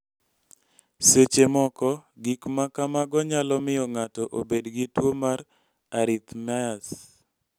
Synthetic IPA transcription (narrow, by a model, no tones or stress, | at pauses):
set͡ʃemɔkɔɡikmakamaɡɔɲalɔmɪjɔŋatɔʔobedɡitwomaɾ | aɾɪt̪mɛas